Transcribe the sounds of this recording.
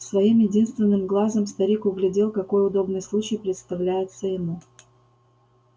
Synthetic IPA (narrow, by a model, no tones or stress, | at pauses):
svɐimjɪdʲin̪st̪vʲɪnːɨmɡlˠazəmst̪ɐɾʲikʊɡlʲɪdʲelˠkɐko̞jʊd̪o̞bnɨjslˠut͡ɕɪjpɾʲɪt̪st̪ɐvlʲæjɪt̪səjɪmu